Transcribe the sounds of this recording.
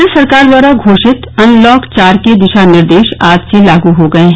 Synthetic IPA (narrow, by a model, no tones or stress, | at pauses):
əsɐɾkaːɾd̪ʋwaːɾaɡʱoːʃɪt̪ɐ̃nlɔːkt͡ʃaːɾked̪ɪʃanɪɾd̪eːʃaːd͡ʒselaːɡuɦoɡɐeɦ